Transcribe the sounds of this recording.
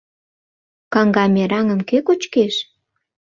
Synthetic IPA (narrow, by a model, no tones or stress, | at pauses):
kɑŋɡɑmeɾɑŋə̆mkekot͡ɕkeʃ